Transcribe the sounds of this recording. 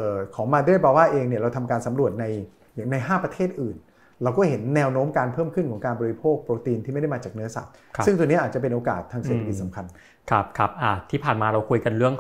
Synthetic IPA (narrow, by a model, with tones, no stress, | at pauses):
ʔɤː˨˩kʰɔː˩˦ŋmaː˧da˥˩əjbaː˧waː˥˩ʔeː˧ŋni˥˩ɐɾa˧wt̪ʰa˧mkaː˧nsa˨˩˦mɾu˨˩ət̪̚na˧j | jaː˨˩ŋna˧jɦaː˥˩pɾa˧t̪ʰeː˥˩t̪̚ʔɯː˨˩n | ɾa˧wkɔː˥˩ɦe˩˦nːɛː˧wnoː˦˥mkaː˧npʰɤː˥˩mkʰɯ˥˩nkʰɔː˩˦ŋkaː˧nbɔː˧ɾi˧pʰoː˥˩k̚pɾoː˧t̪iː˧nt̪ʰiː˥˩a˥˩jda˥˩maː˧t͡ɕaː˨˩k̚nɯ˦˥ɐsa̰˨˩t̚ʰɯ˥˩ŋt̪u˧ni˦˥ʔaː˨˩t̪̚t͡ɕa˨˩p̬e˧nʔoː˧ka̰ː˨˩t̪ʰːaː˧ŋse˨˩t̪ʰa˧ki˨t̪sa˩˦mkʰa˧n | kʰp̚kʰa˦˥p̚ʔaː˧˩t̪ʰiː˥˩pʰaː˨˩nmaː˧ɾa˧wkʰu˧jka˧nɾɯ˥˩əŋ